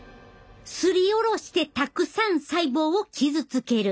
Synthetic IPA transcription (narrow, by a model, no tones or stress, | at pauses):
sɨɾʲio̞ɾo̞ɕi̥t̪e̞t̪akɯ̟sãɰ̃saibo̞ːokʲʰizɨt͡sɨke̞ɾɯ̟